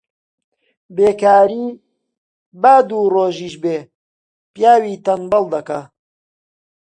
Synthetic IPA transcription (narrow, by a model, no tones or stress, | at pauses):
beːkaːɾiː | baːd̪uːroːʒiːʃbeː | pjaːwiːt̪ɐnbɐlˠd̪ɐka